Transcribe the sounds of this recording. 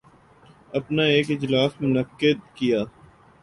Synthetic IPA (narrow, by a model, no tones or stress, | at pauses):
ɐpnaeːkɪd͡ʒlaːsmʊnəqːɪd̪̚kijaː